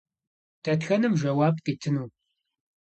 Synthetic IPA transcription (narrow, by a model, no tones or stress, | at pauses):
tʰɐtxɐnɨmʒɐwaːbqiːtʰɨnuː